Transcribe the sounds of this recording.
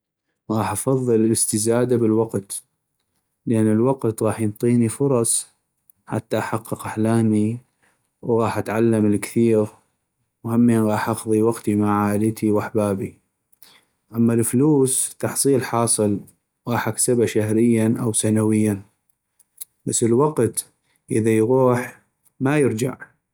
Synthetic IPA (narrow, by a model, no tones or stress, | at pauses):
ɣɑːħʔɑfɑðˤːɨlɪlɪst̪ɪzaːd̪abɪlwɑqt̪ | ləʔanːɪlwɑqt̪ɣɑːħjənt̪ˤiːnifʊɾˤɑsˤ | ħa̰t̪ːaʔħaqːɨqaħlaːni | wɣɑːħʔat̪ʕalːamɪlkθiːɾ | whamːiɣɑːħʔɑqðˤiwaqt̪imaʕaːlət̪ʰiwaħbaːbi | ʔamːalfluːst̪ɑħsˤiːlħɑːsˤɨl | ɣɑːħʔaksɪbaʃahɾɪjːanʔawsanawɪjːan | basːəlwaqt̪ | ʔɪðajɣuːħ | majɪɾd͡ʒa̰ʕ